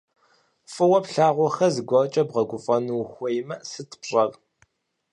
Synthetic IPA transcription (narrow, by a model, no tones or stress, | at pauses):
fɨwɐpɬaːʁʷɔxɐzɨɡʷɐrt͡ʃʼɐbʁɐɡʷʊfʼɐnuwxʷɔjɪmɐsɨtʰpɕʼɐv